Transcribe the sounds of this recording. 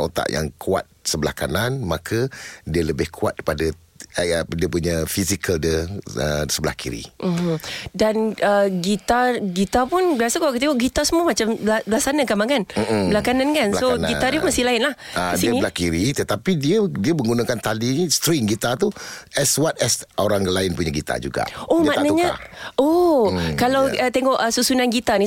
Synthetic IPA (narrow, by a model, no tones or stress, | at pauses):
o̰t̪a̰ʔja̰ŋkua̰t̪̚səbəla̰hka̰nanmakʰədiələbɪhkʰua̰t̪̚kəpadə | diəpuɲəfisikəldiəə̰səbəlahkḭɾḭmdanəɡit̪arɡit̪apʊnbiasakalakət̪ikoʔɡit̪asəmuəmat͡ʃambabəlahsanakamaŋkanbəlakanankansonɡit̪adumast̪ɪlaɪnlahəiəlahkiɾit̪ət̪apidiədiəmə̃ŋɡunakant̪alinist̪ɾiŋɡit̪at̪uʔɛswat̪̚ɛsoɾaŋɡəlaɪnpuɲaɡit̪a̰d͡ʒṵɡa̰ʔomaʔnaɲaa̰okalawət̪eŋɔʔəsusunanɡit̪anĩ